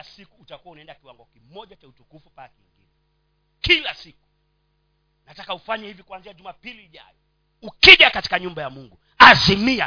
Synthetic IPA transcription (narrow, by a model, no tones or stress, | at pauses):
sikuːtakuwaunaɛndakiwaŋɡɔkimɔʄat͡ʃautukufupaakiŋɡḭnɛ | kilasiku̥ | natakaufaɲahivikuanziad͡ʒumapiliːʄa̰jɔ | ukiʄakati̥kaɲumbajamuŋɡu | azimia